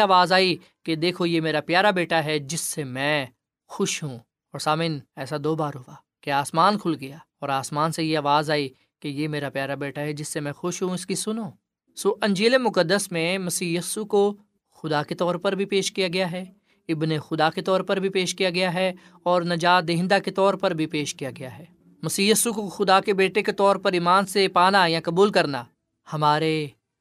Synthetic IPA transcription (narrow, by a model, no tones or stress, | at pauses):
aːʋaːzaːi | ked̪eːkʰojemeːɾapjaːɾabeːʈaɦɛd͡ʒɪsːemɛ̃ | xʊʃɦũ | ɔːɾsaːmɪnɛːsad̪oːbaːɾɦʊʋaː | keaːsmaːnkʰʊlɡɐjaːɔːɾaːsmaːnsejeaːʋaːzaːi | kejemeːɾapjaːɾabeːʈaɦɛd͡ʒɪsːemɛ̃xʊʃɦũɪskisʊnoː | soːʔɐ̃ɲd͡ʒeːlemʊkəd̪ːəsmẽmɐsiːjisuko | xʊd̪aket̪ɔːɾpɐɾbʱipeːʃkijaɡɐjaɦɛː | ɪbnexʊd̪aket̪ɔːɾpɐɾbʱipeːʃkijaɡɐjaɦɛ | ɔːɾnɐd͡ʒaːd̪eɦɪ̃nd̪aket̪ɔːɾpɐɾbʱipeːʃkijaɡɐjaɦɛː | mɐsiːjisukoxʊd̪akebeːʈeket̪ɔːɾpɐɾiːmaːnsepaːnaːijãkɐbuːlkɐɾnaː | hɐmaːɾe